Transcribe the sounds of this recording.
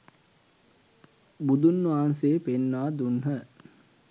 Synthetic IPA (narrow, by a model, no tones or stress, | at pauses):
bud̪unːʋaɦanseːpenːaːd̪unɦə